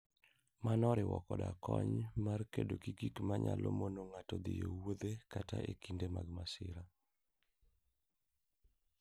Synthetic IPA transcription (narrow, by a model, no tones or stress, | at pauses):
manɔɾɪwɔkɔdakɔɲmarkedokikikmaɲalomonoŋatɔd̪ɪjowod̪ekataʔekindemaɡmasɪɾa